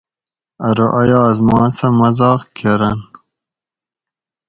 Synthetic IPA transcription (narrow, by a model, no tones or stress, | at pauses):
ɐɾoʔɐjɑːzmɑ̃ːnsɐmɐzɑːqkʰeɾɐn